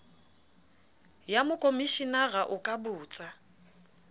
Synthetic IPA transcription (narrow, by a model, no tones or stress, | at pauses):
jamʊkʼomiʃinaɣaʔʊkʼabʊːt͡sʼa